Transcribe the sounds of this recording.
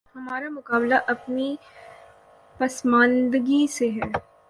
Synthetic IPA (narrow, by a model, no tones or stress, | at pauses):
hɐmaːɾamʊkaːblaʔɐpni | pɐsmãːnd̪ɡiseɦɛː